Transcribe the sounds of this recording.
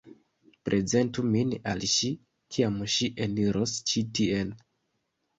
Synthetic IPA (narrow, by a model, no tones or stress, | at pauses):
pɾʔe̞ze̞ntumina̰lʃi | kʰiamʃiʔeniɾʔost͡ʃitie̞n